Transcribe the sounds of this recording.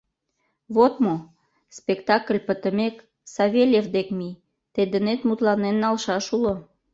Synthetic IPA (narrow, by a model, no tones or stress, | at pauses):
βot̪mo | spekt̪ɑkəlʲpət̪əmek | sɑβʲelʲevd̪ekmi | t̪ed̪ənet̪mut̪lɑnenːɑlʃɑʃulo